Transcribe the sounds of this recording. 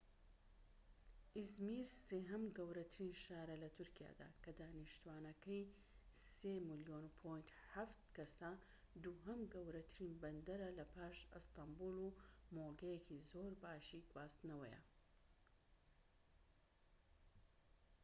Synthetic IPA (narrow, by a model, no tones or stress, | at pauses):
ʔizmiːɾseːɦɐmɡɐwɾɐt̪ʰɨɾinʃaːɾɐlɐt̪ʰuɾkija̰ːd̪a̰ːkɐd̪aːniʃt̪uwaːnɐkɐj | seːmɨljonupʰojnt̪ħaft̪kɐsɐ | d̪uɦɐmɡɐwɾɐt̪ʰɨɾiːnbɐnd̪ɐɾɐlɐpʰaːʃɨst̪ambulˠumoːɡɐjekʰizoɾbaːʃiɡwbaːst̪ɨnɐwɐ̰jɛ̰